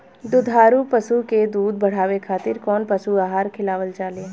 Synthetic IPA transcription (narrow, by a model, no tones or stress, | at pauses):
d̪ʊd̪ʱɦaːɾupəsuked̪uːd̪̚bɐɽ̤aːʋekʰaːt̪ɪɾkɔːnpɐsuaːɦaːɾkʰɪlaːʋəld͡ʒaːle